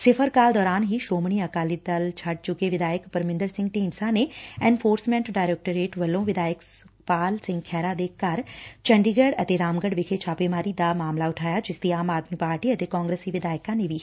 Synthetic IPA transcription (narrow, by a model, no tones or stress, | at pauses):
sɪpʰəɾkaːld̪ɔːɾaːnɦiːʃɾoːmɳiːəkaːlid̪ɐlt͡ʃʰɐʈ̚t͡ʃʊkeʋɪd̪aːjəkpəɾmɪ̃nd̪əɾsɪ̃ŋɡʈiːmsãːneːɛːnpʰoːɾsmɛ̃ːɳʈɖaːɾeːk̚ʈəɾeːʈʋəlːõːʋɪd̪aːjəksʊ | paːlsɪ̃ŋɡkʰɛːɾaːd̪eːkɐɾt͡ʃəɳɖiːɡəɽət̪eɾaːmɡəɖʋɪkʰet͡ʃʰaːpeːmaːɾid̪aːmaːmlaʊʈʰaːjaːd͡ʒɪsd̪iːaːmaːd̪mipaːɾʈiːət̪eːkɔ̃ːŋɡɾəsiʋɪd̪aːɪkãːneʋiː